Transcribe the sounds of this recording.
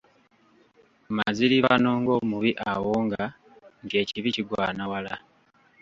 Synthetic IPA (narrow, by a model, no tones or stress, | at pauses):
maziliβano̞ːŋɡo̞muβiʔawoːŋɡa | ntje̞ːciβiciɡwa̰ːnawala